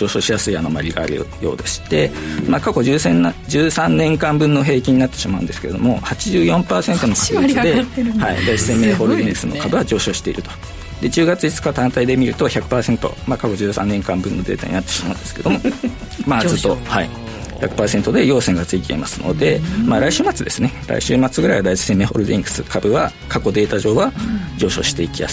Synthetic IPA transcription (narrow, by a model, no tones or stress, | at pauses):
d͡ʑo̞ːɕo̞ːɕijasɨiano̞maɾʲiɡa̰ːɾɯ̟jo̞̰ːd̪e̞ɕi̥t̪e̞maːkako̞ʑɨːsẽnd͡ʑɨːsãnːẽŋkãmbɯ̟̃nːo̞ɦe̞ːkʲiɲ̟inat̪ːeɕimaɯ̟̃d̪sɨ̥ke̞ɾe̞d̪o̞̰mo̞hat͡ɕiʑɨːjõ̞mpaːsẽ̞nt̪o̞no̞kaehaḭd̪asẽmːeːhoɾonesɨno̞kab̪eβad͡ʑo̞ːɕo̞ːɕi̥t̪e̞ḭɾɯ̟t̪o̞̥ | d̪e̞d͡ʑɨːɡat͡sɨit͡sɨ̥kat̪ãnt̪aid̪e̞mʲiɾɯ̟t̪o̞çʲakɯ̟̥paːsẽ̞nt̪o̞̰makako̞ʑɨːsãnːẽ̞ŋkãmbɯ̟̃nːo̞d̪e̞ːt̪a̰ɲḭnat̪ːeɕimaɯ̃nd̪e̞sɨ̥ke̞d̪o̞mo̞ | maːzɨt̪ːo̞haḭ | ça̰kɯ̟̥paːse̞nt̪o̞d̪e̞jo̞ːsẽŋɡat͡sɨit̪eḭma̰sɨno̞̰d̪e̞maːɾaiɕɨːmat͡sɨd̪e̞sɨne̞ɾa̰iɕɨːmat͡sɨɡɯ̟ɾaiβad̪aisi̥se̞mːe̞ːho̞̰ɾɯd̪ĩŋɡɯ̟̥sɨkʰabɯ̟βa | kako̞d̪e̞ːt̪aʑo̞ːβad͡ʑo̞ːɕo̞̰ːɕi̥t̪e̞ikʲima̰s